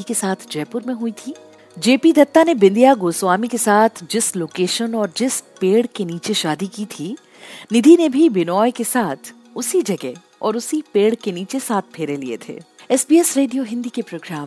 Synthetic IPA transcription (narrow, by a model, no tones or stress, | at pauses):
ikesaːt̪ʰd͡ʒɛːpʊɾmẽɦuit̪ʰiː | d͡ʒeːpid̪ɐt̪ːanebɪ̃nd̪ʱijaɡoːswaːmikesaːt̪ʰd͡ʒɪsloːkeːʃənɔːɾd͡ʒɪspeːɽkeniːt͡ʃeʃaːd̪ikit̪ʰi | nɪd̪ʱinebʱibɪnɔːjkesaːt̪ʰ | ʊsid͡ʒɐɡɛ | ɔ̰ːɾʊsipeːɽkeniːt͡ʃesaːt̪̚ʰpʰeːɾeliḛt̪ʰḛː | ɛːsbiːɛsɾeːɖijoɦɪ̃nd̪ʱikepɾoːɡɾaːm